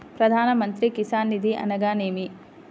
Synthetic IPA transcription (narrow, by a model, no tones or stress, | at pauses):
pɾɐd̪ʱaːnɐmɐnt̪ɾikisaːnːid̪ʱiʔɐ̰nɐɡaːneːmi